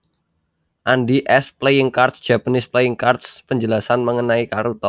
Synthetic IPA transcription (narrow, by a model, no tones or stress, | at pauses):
ʔandiʔɛsplejəŋkart̪̚sd̥ʒ̥a̤pənɪsplejəŋkart̪spəɲd͡ʒəlasanməŋənaikaɾut̪ɔ